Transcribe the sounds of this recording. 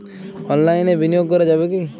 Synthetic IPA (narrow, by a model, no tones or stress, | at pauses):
ɔnlaɪnebinijoɡ̚kɔɾad͡ʒabeki